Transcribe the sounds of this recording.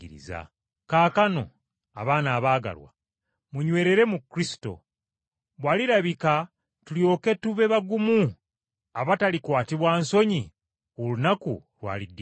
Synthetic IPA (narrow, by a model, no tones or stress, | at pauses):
iɾḭza̰ | kaːkano̞̰ | a̰βaːnaːβaːɡa̰lwa̰ | muɲwe̞ːɾe̞ɾe̞mukɾisi̥to̞̰ | βwaːliɾaβika | tuljo̞ke̞tuβe̞βaɡumu | aβatalikwaːtiβwaːnso̞ɲi | olunakṵlwa̰ːlidː